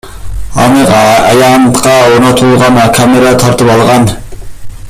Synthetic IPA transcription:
ɑ̰nɨqæjɑnt̪qɑonɑt̪ʰulˠʁɑnɑkʰɑmeɾɑt̪ʰɑɾt̪ɨpɑlˠʁɑn

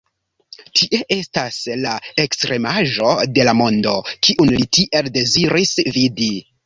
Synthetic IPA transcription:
tʰiʔe̞ʔe̞staslae̞kstɾe̞maʒo̞de̞lamo̞ndo̞kiʔunlitiʔe̞lde̞ziɾisvidi

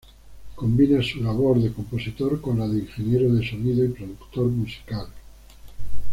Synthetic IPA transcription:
ko̞mbinesulaβoɾðe̞ko̞mpo̞sit̪oɾkonlaðeiŋxe̞njeɾoðe̞so̞niðoipɾoðukt̪oɾmusi̥kal

